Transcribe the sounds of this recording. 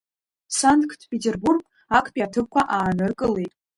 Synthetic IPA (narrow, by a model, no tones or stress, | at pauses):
santʰkʰtʰpʰetʰerburkʼ | akʰʼpʼiatʰɨp̚kʷʰaʔaːnɨrkʼɨle̞jtʼ